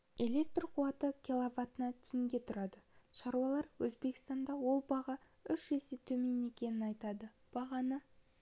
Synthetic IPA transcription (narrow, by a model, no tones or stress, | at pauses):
e̞lʲe̞k̚t̪roqʰuɑt̪əkʲilˠavat̪ənɑt̪ʰɪj̪ɪŋɡʲe̞t̪ʰʊɾɑd̪əʃɑɾuwɑlˠɑɾwɵzbe̞kʲɪ̥st̪ɑnd̪ɑwo̞lˠbɑʁɑʏʃeset̪ʰɵme̞ne̞kʲe̞nɪnɑjt̪ɑd̪ə | b̥ɑʁɑnə